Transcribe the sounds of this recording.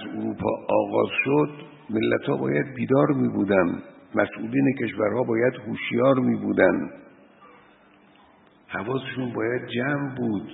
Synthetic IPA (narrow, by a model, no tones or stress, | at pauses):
æzuɾuːpʰɒ̰ːɒːɣɒ̰ːzʃod̪ | me̞lːæt̪hɒːbɒ̰ːjæd̪̚biːd̪ɒːɾmiːbuːd̪ænmæsʔuːliːnekʰe̞ʃvæɾhɒːbɒːjæd̪huʃjɒːɾmiːbuːd̪ænd̪ | hævɒːseʃuːnbɒːjæd̪̚d͡ʒæmbuːd̪